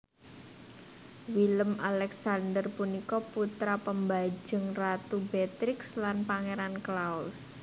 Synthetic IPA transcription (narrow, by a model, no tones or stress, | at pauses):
wiləmalɛksand̪ərpunikɔput̪ɾapəmbḁd͡ʒəŋrat̪ubet̪ɾɪkslanpaŋeɾanklaus